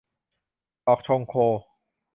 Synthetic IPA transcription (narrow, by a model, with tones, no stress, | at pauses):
ɔ˨˧k̚t̪ʰo˧ŋkʰoː˧